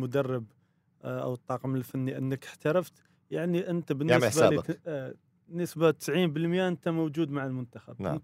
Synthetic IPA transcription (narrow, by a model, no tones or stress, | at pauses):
mʊd̪ɑrˤːɑb | ʔa̰wt̪ˤːɑːqməlfanːiʔənːəkəħt̪ɑɾˤɑft̪ | jaʕniʔənt̪abənasba | nːəsbat̪ːə̥sʕiːmbəlmjaʔənt̪amowd͡ʒud̪maʕalmʊnt̪axab̰